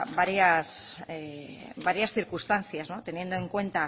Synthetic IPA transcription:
baɾjasebaɾjasθiɾkust̪an̟θjazno̞t̪e̞nje̞nd̪oeŋkwe̞nt̪a

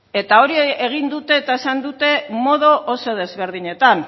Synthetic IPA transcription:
e̞t̪ao̞ɾieɣ̞ind̪ut̪e̞ːt̪aesand̪ut̪e̞mo̞ð̞o̞ʔoso̞ð̞e̞zβe̞ɾð̞iɲe̞t̪an

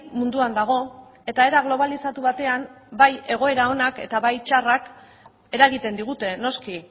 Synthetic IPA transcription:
mund̪uand̪aɣ̞o̞ | e̞t̪ae̞ɾaɣ̞lo̞β̞alisat̪uβat̪e̞ambaje̞ɣo̞e̞ɾao̞nakḛt̪aβajt͡ʃarak | e̞ɾaɣit̪e̞nd̪iɣ̞ut̪e̞no̞ski

